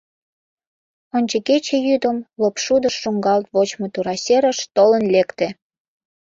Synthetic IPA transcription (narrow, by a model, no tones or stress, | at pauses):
onʲt͡ɕeket͡ɕejyd̪əmlopʃud̪ə̆ʃːuŋɡɑlt̪βot͡ɕmot̪uɾɑsʲeɾə̆ʃt̪olənlekt̪ĕ